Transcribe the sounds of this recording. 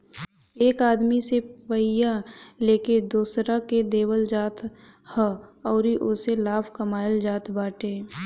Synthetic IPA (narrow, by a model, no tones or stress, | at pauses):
eːkaːd̪miseʋəɪjaleːked̪uːsɾaked̪eːwəld͡ʒaːt̪ | həɔːɾiʔʊselaːpʰkəmaːjəld͡ʒaːt̪baːʈeː